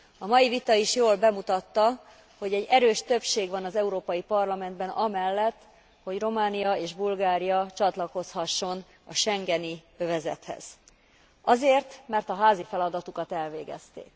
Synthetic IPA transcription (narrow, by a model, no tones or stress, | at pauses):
ɒmɒjivit̪ɒiʃjoːlbɛmut̪ɒt̪ːɒ | ho̞ɟɛɟːɛɾøːʃt̪ø̞pʃeːɡʋɒnɒzɛuɾoːpɒjipɒrlɒmɛnd̪bɛnɒmɛlːɛt̪ː | ho̞ɟro̞maːnijɒeːʒbulɡaːɾijɒt͡ʃɒt̪lɒko̞shɒʃːo̞n | ɒʃɛŋɡɛni | øvɛzɛ̰t̪hɛ̰z̥ | ɒzeːrt̪mɛrt̪ɒɦaːzifɛlɒd̪ɒt̪ukɒt̪ɛlveːɡɛ̰st̪ḛːk